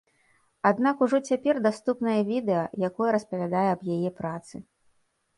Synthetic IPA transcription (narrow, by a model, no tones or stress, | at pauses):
ad̪nakuʐɔt͡sʲapʲɛrd̪ast̪upnɐjɐvʲid̪ɛjɐjakɔjɐɾɐspɐvʲad̪ajɛɐbjajɛpɾat̪sɨ